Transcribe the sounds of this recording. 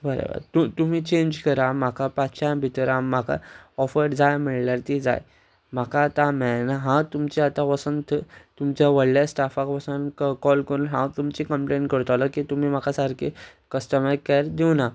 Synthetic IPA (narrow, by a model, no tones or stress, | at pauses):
bəɾə̰bə̰ɾt̪ut̪um̤iːt͡ɕeɲd͡ʑkəɾam̤akʰapaɕabʱit̪əɾaːakʰa̰ɔfəɾɾd͡zajm̤iɭljaɾt̪id͡za̰j | m̤akʰat̪amɛnaɦãt̪umt͡ɕeat̪ãʋəsənt̪ʰət̪umt͡ɕjaʋəɽljasʈafakʋəsənkɔlkəɾunɦãt̪umt͡ɕikəmpleɳʈkəɾt̪alakit̪um̤iːm̤akasaɾkʰe | kəsʈəmakaɾd̪iwna